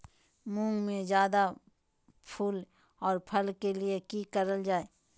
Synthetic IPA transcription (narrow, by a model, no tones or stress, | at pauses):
mũːŋɡmẽzjaːd̪a | pʰuːl | ɔːɾpʰɐlkeliekiːkəɾəld͡ʒaːeː